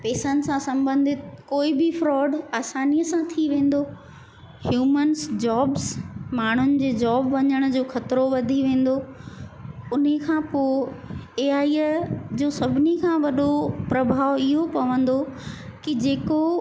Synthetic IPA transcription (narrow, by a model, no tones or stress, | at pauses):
peːsənɪ̆sãsɐ̃mbə̃nd̪ʱɪt̪koːibɪfɾɔːɖaːsaːniːjəsãt̪ʰiʋẽːn̆d̪oː | hjuːmənsd͡ʑaːbsmaːɳ̤ʊnɪ̆d͡ʑeːd͡ʑɔːbʋɐɲəɽ̃ʊd͡ʑoːxɐt̪ɾoʋɐd̪ʱiʋẽːn̆d̪oː | ʊnɦekʰãːpoːeːaːid͡ʑoːsɐbʱɪnikʰãʋɐɗopɾɐbʱaːʋɪɦopɐʋə̃nd̪o | kid͡ʑeːko